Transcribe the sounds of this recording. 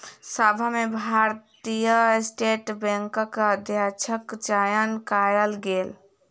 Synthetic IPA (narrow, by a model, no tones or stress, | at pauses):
səbʱamebʱaɾt̪ijəsʈeʈbẽŋkəkəd̪ʱjat͡ʃʰəkt͡ʃajənkajəlɡel